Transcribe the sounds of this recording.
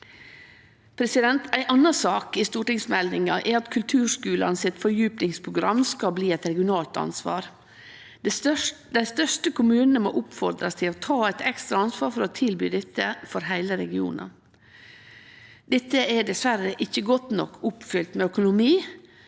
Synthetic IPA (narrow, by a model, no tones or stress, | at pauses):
pʰɾɛsɪd̪ɛnt̪æɪʔɑnɑsɑːkɪst̪uːʈɪŋsmɛld̪ɪŋɑʔɛɾɑt̪kʰʉlt̪ʰʉːʂkʉːlɑ̰nsɪt̪fɔɾjʉːpnɪŋspʰɾʊɡɾɑmːskɑbliːɛɪt̪ɾɛɡɪʊnɑːlt̪ɑ̰nsʋɑ̰ːɾ | d̪æɪst̪œʂʈəkʰʊmʉːnən̩əmo̰ːʔʊpfɔɾd̪ɾɑst̪ʰɪlɔt̪ʰɑːæɪt̪ɛkst̪ɾɑɑnsʋɑːɾfɔɾɔt̪ʰɪlbyːd̪ɛt̪ːəfɔɾɦæɪləɾɛɡɪṵːnʔɑ̰ | d̪̥ɛt̪ːəʔɛɖɛsʋæɾəʔɪçːəɡɔt̪nɔ̰kːʊpfʏlt̪mɛœkʊnʊmiː